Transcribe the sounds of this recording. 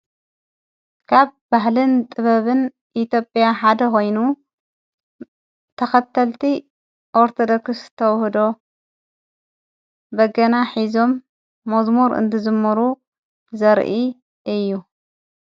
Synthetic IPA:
kʰaβbaɦlɨnt̪ʼɨβɐβɨn | ʔit̪jo̞pʼjaħad̪ɐko̞jnu | t̪ʰɐxɐt̪ʰːɐlt̪ʰi | ʔoɾt̪ʰod̪okst̪ʰɐwhd̪o̞ | bɐɡɐnaħizo̞mː | ɐzmoɾɨ̰nt̪ʰɨzɨmːɐɾu | zɐɾʔi | ʔɨjːu

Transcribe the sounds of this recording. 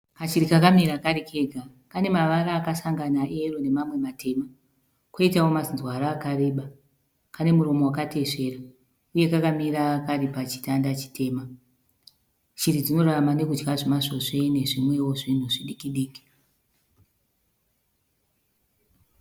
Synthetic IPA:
kat͡ʃiɾikakamiɾakaɾikʰe̞ɡʱa | kane̞maʋaɾaːkasaŋɡanaʔe̞ro̞ne̞mamwe̞matʰe̞ma | koitawo̞masinzwaɾaːkare̞ːɓa | kane̞muɾo̞mo̞wakate̞ʂe̞ra | uje̞kakamiɾaːkaripat͡ʃi̥tandat͡ʃi̥tʰe̞ːma | t͡ʃirid͡zino̞ramane̞kud͡ʒɡaʐimaʐoʂe̞ne̞ʐimwe̞wo̞ʐin̤uʐiɗikiɗiːki̥

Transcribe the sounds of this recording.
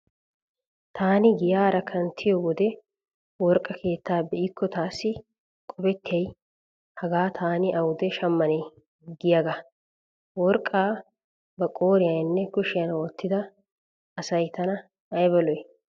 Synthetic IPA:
t̪ʰaːnɪɡɪjaːɾɐkʰɐnt̪ʰɪjɔwɔd̪ɛ | wɔɾkʼːɐkʰe̞ːt̪ːaːbɛʔɪkːɔt̪aːsːɪ | kʼɔbɛt̪ːɪjɐj | hɐɡaːt̪ʰaːnɪʔɐwʊd̪ɛʃɐmːɐnɛ | ɡɪjaɡɐ | wɔɾkʼːaː | bɐkʼo̞ːɾɪjɐjɪnːɛkʊʃɪjɐnoːt̪ʰːɪd̪ɐ | ɐsɐjt̪ɐnɐ | ɐjbɐlɔj

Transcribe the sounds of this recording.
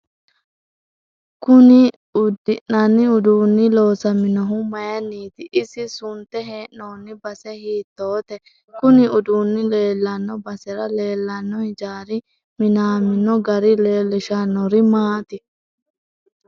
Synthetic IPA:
kʊnɪ | ʊd̪ɪnːɐnːɪʊd̪uːnːɪlo̞ːsɐmɪnɔɦʊmɐjɐnːiːt̪ɪʔɪsɪsʊnt̪ɛɦeːnnoːnːɪbɐsɛhiːt̪ːoːt̪ɛ | kʊnɪʊd̪uːnːɪle̞ːlːɐnːɔbɐsɛɾɐle̞ːlːɐnːɔhɪd͡ʒaːɾɪ | mɪnaːmɪnɔɡɐɾɪleːlːɪʃɐnːɔɾɪmaːt̪ɪ

